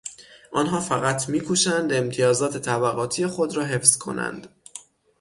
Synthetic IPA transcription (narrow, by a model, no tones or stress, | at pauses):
ʔɒːnɦɒːfæɣæt̪ʰmiːkʰuʃænd̪e̞mt̪ʰijɒːzɒːt̪ʰe̞t̪ʰæbæɣɒːt̪ʰijexo̞d̪ɾɒːɦe̞fz̥kʰo̞̰næ̰nd̪̥